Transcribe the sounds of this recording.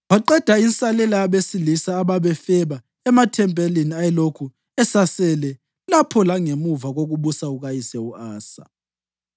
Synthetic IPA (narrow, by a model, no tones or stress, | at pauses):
βaǃɛd̥ʱainsʼalɛlaaβesilisaːβaβɛfɛβa | ɛmatʰɛmpʼɛliniajɛlokʰu | ɛsasɛlɛ | lapʰɔlaŋemuvaɣoɣuβusauɣajisɛuaːsa̰